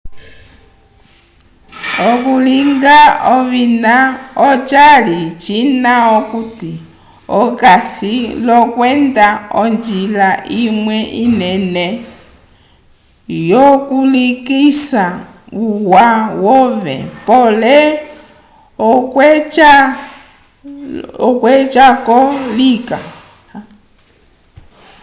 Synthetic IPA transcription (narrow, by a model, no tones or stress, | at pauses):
ɔkuliŋɡaɔβinaɔt͡ʃalit͡ʃinaɔkuti | ɔkasilɔkwɛndaɔnd͡ʒilaʔimwɛʔinɛnɛ | jɔkulikisa | uwawɔvɛ̰pɔlɛ | ɔkɛt͡ʃa | ɔkwɛt͡ʃakɔlika